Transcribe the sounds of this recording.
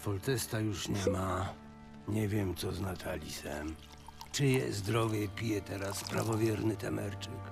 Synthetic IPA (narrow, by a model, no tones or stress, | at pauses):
fɔlt̪ɛst̪ajuʂɲɛma | ɲɛvʲjɛmt̪sɔznat̪ʰalʲisɛ̰m | t͡ʂɘjɛ̰zd̪ɾɔvʲjɛpʲijɛt̪ɛɾaspɾa̰vɔvʲjɛɾnɘt̪ɛ̰mɛ̰ɾt͡ʂɘk